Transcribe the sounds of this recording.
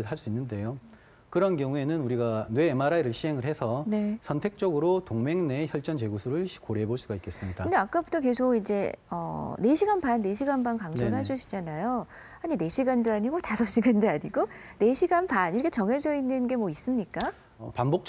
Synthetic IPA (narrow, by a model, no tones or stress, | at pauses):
ɯɭɦas͈uinːɯnde̞jo | kɯɾʌnkjʌŋue̞nɯnuɾiɡanwe̞ːmaɾaiɾɯɭɕʰiɦe̞ŋɯɭhesʰʌne̞sʰʌntʰe̞k̚t͡ɕ͈ʌɡɯɾotoŋme̞ŋneçjʌɭt͡ɕ͈ʌnt͡ɕe̞ɡusʰuɾɯɭkoɾeboɭs͈uɡaik͈e̞s͈ɯmɲikdaɯnde̞ak͈abutʰʌke̞sʰoɡid͡ʑe̞ʌ̰ne̞ɕʰiɡanbanːe̞ɕʰiɡanbankaŋd͡ʑoɾɯɭɦed͡ʑuɕʰi̥d͡ʑanajo | haɲine̞ɕʰiɡandoaɲiɡotasʰʌɕ͈iɡandoaɲiɡone̞ɕʰiɡanbaniɾʌkʰet͡ɕʌŋɦe̞d͡ʑʌinːɯnɡe̞mwʌis͈ɯmɲik͈a | ʌ̰pambok̚t͡ɕ͈